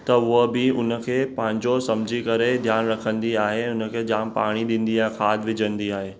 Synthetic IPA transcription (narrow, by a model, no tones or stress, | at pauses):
t̪ɐʊɦəbɪʊnə̆kʰeːpɐ̃ɦɪ̃ɲd͡ʑosɐ̃md͡ʑʱikɐɾed̪ʱjaːnɾɐkʰə̃nd̪iaːɦẽʊnəkʰeːd͡ʑaːnpa̰ːɽ̃iɗĩːn̆d̪iaːɦẽkʰaːd̪ʋɪd͡ʑə̃nd̪iaːɦeː